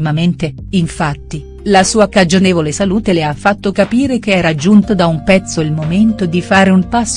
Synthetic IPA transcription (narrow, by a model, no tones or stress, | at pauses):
mament̪e | iɱfat̪ːi | lasuːakad͡ʒoneːvolesaluːt̪eleafːat̪ːokapiːɾekeɛːɾad͡ʒunt̪od̪aumpɛt̪sːoilmoment̪od̪ifaːɾeumpasː